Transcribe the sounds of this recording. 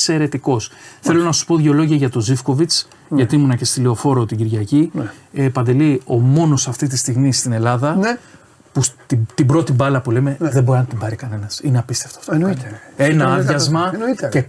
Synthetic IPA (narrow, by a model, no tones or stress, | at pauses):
se̞ɾe̞t̪iko̞sθe̞lo̞nɐsu̥spo̞ðʝeo̞lo̞ʝiɐʝɐt̪o̞zifko̞vit͡s | ʝɐt̪imunɐce̞st̪ileo̞fo̞ɾo̞t̪iɟiɾʝɐciepɐnd̪elio̞mo̞no̞sɐft̪it̪̬ist̪iɣmist̪ine̞lɐðɐ | pust̪t̪ibɾo̞t̪ibɐlɐpule̞me̞ðeboɾinɐt̪ibɐɾikɐne̞nɐsineɐpist̪e̞ft̪o̥ɐft̪onoenɐɐðʝɐzmɐce